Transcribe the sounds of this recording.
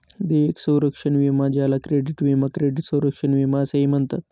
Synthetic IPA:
d̪eʋeksə̃wɾəkʂəɳʋimad͡ʑʱjalakɾeɖiʈʋimakɾeɖiʈsə̃wɾəkʂənʋimaseɦimənt̪ət̪

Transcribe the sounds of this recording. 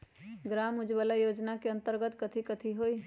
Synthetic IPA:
ɡɾaːmʊd͡ʒbəlajoːd͡ʒnakeɐ̃nt̪əɾɡət̪kət̪ʰikət̪ʰiɦoi

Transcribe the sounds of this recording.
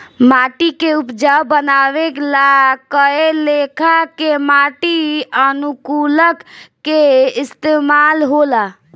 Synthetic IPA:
maʈikeupd͡ʒabənaʋeklakəelekʰakemaʈiənukuləkː | eɪst̪emalɦola

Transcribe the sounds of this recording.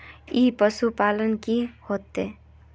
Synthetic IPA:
iːpəsupaːlənkihoːt̪eː

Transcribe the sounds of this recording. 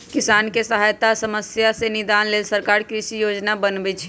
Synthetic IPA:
kisankesəɦajt̪asəməsjasẽnid̪anlelsəɾkaɾkɾisijod͡ʒnabənbɛt͡ʃʰ

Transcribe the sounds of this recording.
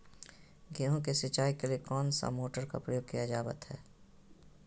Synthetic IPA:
ɡeɦõkesɪt͡ʃaːikeliekɔːnsa̰moːʈəɾka̰pɾəjoːɡ̚kijad͡ʒaːbə̰t̪hɛː

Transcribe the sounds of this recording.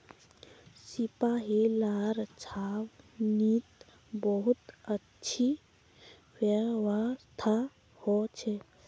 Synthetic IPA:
sipaɦilaɾt͡ʃʰaʋnit̪ | bəɦut̪ətːt͡ʃʰi | wjəwast̪ʰa | hɔt͡ʃʰɛ

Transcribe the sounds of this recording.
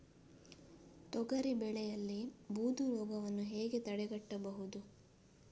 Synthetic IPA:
t̪ɔɡɐɾibɛɭɛjɐlːibuːd̪ʱuɾɔːɡɐʋɐnːuɦeːɡe̞t̪ɐɽɛɡɐʈːɐbɐɦud̪u

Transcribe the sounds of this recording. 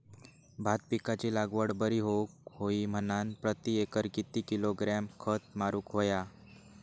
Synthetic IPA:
bʱat̪̚pikat͡ɕilaɡʋəɽbəɾiɦokhoim̤ənanpɾət̪iekəɾkit̪ːikiloɡɾamkʰət̪̚maɾuːkɦoja

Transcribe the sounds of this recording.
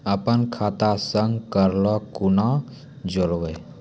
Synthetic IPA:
əpənkʰaːt̪asəŋɡkəɾlɔkuna | d͡ʒɔɾʋe

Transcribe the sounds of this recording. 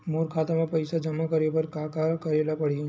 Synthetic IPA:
moːɾkʰaːt̪amẽpɐɪsad͡ʒɐmakəɾebɐɾkaːkakɐɾeːlapɐɽ̤i

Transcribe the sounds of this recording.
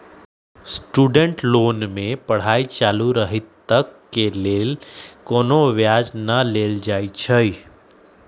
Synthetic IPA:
sʈuːɖəɳʈloːnmẽpəɽ̤aːit͡ʃaːluɾəɦit̪ːəkːeleːlkoːnoʋjad͡ʒnəleːld͡ʒaːit͡ʃʰəi

